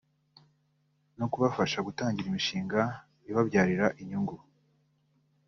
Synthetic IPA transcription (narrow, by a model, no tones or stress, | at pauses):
nokuβafaʃaɡutaːɲɟiɾimiʃiːŋɡa | iβabɟaːɾiɾaʔiɲuŋɡu